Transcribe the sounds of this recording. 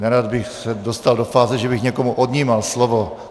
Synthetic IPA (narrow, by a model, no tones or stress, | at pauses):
nɛɾad̪bɪxsɛdo̞st̪aldo̞faːzɛʒɛbɪxɲɛkomuʔodɲiːmalslovo̞